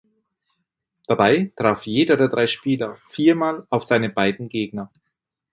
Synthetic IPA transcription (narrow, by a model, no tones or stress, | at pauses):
d̥abaɪtʁ̥aːfjeːdɐdeːɐdʁaɪʃpiːlɐfiːɐmaːlaʊfz̥aɪnəbaɪdn̩ɡeːɡ̚nɐ